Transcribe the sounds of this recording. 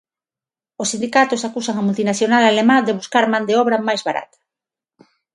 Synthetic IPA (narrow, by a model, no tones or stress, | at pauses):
osind̪ikat̪osakusaŋamult̪inaθjonalalemãd̪eβ̞uskaɾmãnd̪eɔβɾɐmajzβaɾa̰t̪ḁ